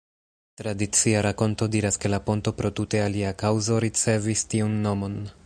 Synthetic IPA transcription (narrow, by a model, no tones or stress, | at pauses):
tɾadit͡siaɾako̞nto̞diɾaske̞lapo̞nto̞pɾo̞tute̞aliakawzo̞ɾit͡se̞vistiunːo̞mo̞n